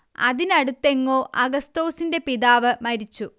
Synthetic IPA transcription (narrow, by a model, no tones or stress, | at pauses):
ɐ̰ðinɐɽut̪ːe̞ŋːo̞ːʔɐɡɐst̪o̞ːsinde̞piðaːʋɨmɐɾit͡ɕːu